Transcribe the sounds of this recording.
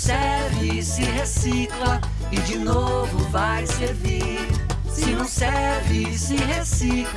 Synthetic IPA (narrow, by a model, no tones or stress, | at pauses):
sɛɾvɪsɪɦesiklɐ | ɪd͡ʒinovʊvajseɾvi | ɾ | sɪnɐ̃w̃sɛɾvɪsɪɦesikl